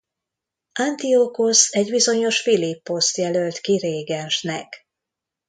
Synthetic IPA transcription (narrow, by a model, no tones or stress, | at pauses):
ant̪iokosɛɟbizo̞ɲo̞ʃfilipːo̞st̪jɛlølt̪kiɾeːɡɛnʃnɛk